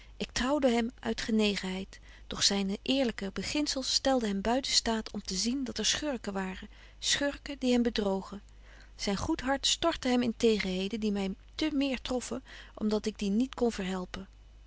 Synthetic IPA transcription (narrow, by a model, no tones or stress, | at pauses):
ʔɪk̚trɑwdəɦɛmœ̰ɥtχənejχənɦɛjt | d̥ɔχsɛjnʔɪːɹləkəbəχɪnsəlˠstɛlˠdəɦɛmbœɥtəstaːtʰɔmtəzindɑtɛɹsχøɹkəʋaːrə | sχøɹkədiɦɛmbədrowχə | z̥ɛjnχutɦɑɹtstɔɹtəɦɛmɪntejχənɦejdəndimɛjtəmɪːɹtrɔfəʔɔ̰mdɑtɪɡ̚dinitkɔnvəɹɦɛlˠpən